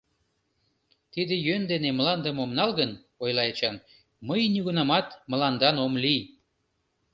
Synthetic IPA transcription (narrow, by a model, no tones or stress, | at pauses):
t̪id̪ejønd̪eneməlɑnd̪əmomnɑlɣən | ojlɑet͡ɕɑm | məjnyɣunɑmɑt̪mə̆lɑnd̪ɑnomli